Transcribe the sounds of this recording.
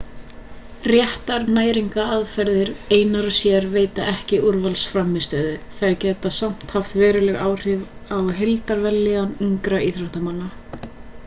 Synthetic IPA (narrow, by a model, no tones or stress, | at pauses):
rjɛht̪aɾnaːjɾiŋkaaðfɛɾðɪɾeːjnaɾʏsjɛɾveːjt̪aʔɛhcɪʔuɾvalsfɾamːɪst̪œːðʏθajɾcɛːt̪asam̥t̪haft̪vɛːɾʏlɛɣaːwr̥ɪvawɦelt̪aɾvɛlːɪɣaniŋkɾaiθɾaht̪amanːa